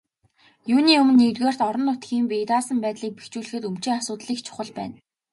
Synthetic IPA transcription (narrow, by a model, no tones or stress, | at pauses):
juːniːɵmɘ̆nːet̪ɣeːr̥t̪ɔɾɞ̆nːʊt̪ɡiːmpijt̪aːsə̆mpæːt̪ɮiːk̚pext͡ɕuːɮɘ̆xɘ̆t̪umt͡ɕiːŋasʊːt̪ɮiːkt͡ɕʰʊ̥χə̆ɮpæ̰ːn